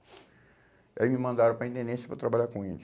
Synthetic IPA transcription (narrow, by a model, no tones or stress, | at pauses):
iaimimɐ̃nd̪aɾɐ̃pɾɐĩt̪ẽnd̪ẽsɐ̥pɾɐt̪ɾabaʎakõelɪ